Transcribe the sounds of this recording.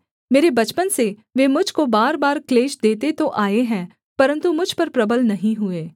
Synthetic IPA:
meːɾebɐt͡ʃpənseʋeːmʊd͡ʒʱkobaːɾbaːɾkleːʃd̪eːt̪et̪oʔaːeɦɛ̃ː | pɐɾə̃nt̪umʊd͡ʒʱpɐɾpɾɐbəlnɐɦĩɦʊeː

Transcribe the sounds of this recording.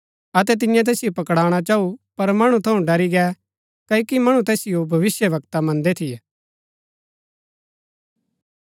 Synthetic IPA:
ɐt̪ɛt̪̬ɪ̃jãt̪̬ɛːsɪjopɐkɽaːɽ̃at͡ʃaːupɐɾmɐɽ̃ũt̪ʰɐũɖɐɾiɡɛ | kɐikimɐɽ̃ũt̪ɛːsɪjobʱɐʋɪsjəʋɐkt̪amɐ̃nd̪et̪ʰijɛ

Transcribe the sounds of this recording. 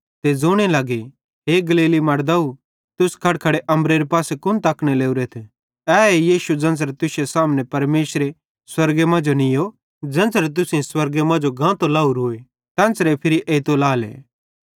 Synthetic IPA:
t̪ed͡zoːɽ̃elaːɡe | ɦeɡɐliːlimɐɽd̪au | t̪ʊskʰɐɽkʰɐɽeʔɐ̃mbɾeɾepaːsekʊnt̪aːkɽ̃eleːuɾet̪ʰ | ɛːejiːʃud͡zɐ̃nsɾet̪ʊsesaːmnẽpɐɾmeːsɾe | swɐɾɡemãːd͡ʒonɪjo | d͡zɐ̃nt͡sɾet̪̬ʊsẽswɐɾɡemãːd͡ʒoɡãːt̪olaːuɾoːe | t̪ɛ̃ːnsɾepʰɪɾiʔeːt̪olaːlḛː

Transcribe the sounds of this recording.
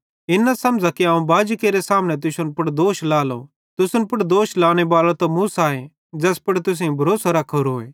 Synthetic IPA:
ɪnasɐmd͡ʒakiãːũbaːd͡ʒkeːɾɛsaːmnɛt̪̬ʊsʊnpʊɽd̪oːʃlaːlo̰ | t̪ʊsʊnpʊɽd̪oːʃlaːɽ̃ɛbaːlat̪õmusaːẽ | d͡ʒɛːspɐɽt̪ʊs̬eõbʱɐɾoːsaɾɐkʰːoɾoːḛ̃ː

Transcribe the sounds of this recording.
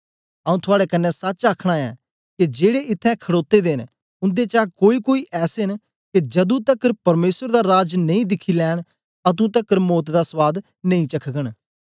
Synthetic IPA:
aːũt̪ʰʊaːɽɛkənːɛ̃sət͡ʃaːkʰɽ̃aɛ̰ː | ked͡ʒeːɽeɪt̪ʰːɛ̃kʰəɽoːt̪ːeːd̪eːn | ʊ̃nd̪eːt͡ʃaːkoːikoːiːʔɛːsen | ked͡ʒɐd̪ũt̪əkəɾpɐɾmeːsəɾd̪aːɾaːd͡ʒnɐ̃ĩːd̪ɪkʰːilɛːɽ̃ | ɐt̪̬ũt̪əkːəɾmoːt̪d̪aːsʋaːd̪ | nə̃ĩːt͡ʃəkʰɡəɽ̃

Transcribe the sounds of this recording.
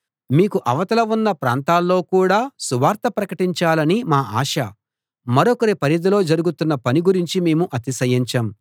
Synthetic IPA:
miːkuʔɐʋɐt̪ɐlɐunːɐpɾa̰ːnt̪aːlːo̞ːkuːɽaːsuʋaːɾt̪ɐpɾɐkɐʈiɲt͡ʃaːlɐnimaːa̰ːʃɐ | mɐɾɔkɐɾepɐɾid̪ɐlo̞ːd͡ʒɐɾuɡut̪unːɐpɐniɡuɾiɲt͡ʃime̞ːmuʔɐt̪isɐjiɲt͡ʃɐm

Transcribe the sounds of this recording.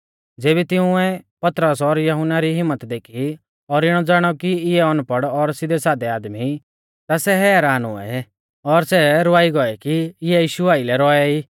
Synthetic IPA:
d͡zeːβit̪ɪʊ̃ɛpɐt̪ɾəsɔɾjɐɦʊnːaɾiɦɪmːət̪d̪eːkʰi | ɔɾɪɽ̃ɔd͡zaːɽ̃ɔkiɪɛɔnupəɽɔɾsɪd̪ɛsaːd̪ɛaːd̪mi | t̪asɛɦɛːɾaːnʊ̰ɛ̰ | ɔɾsɛɾʊaːiɡɔɛkiɪɛjiːʃuaːilɛɾɔɛiː

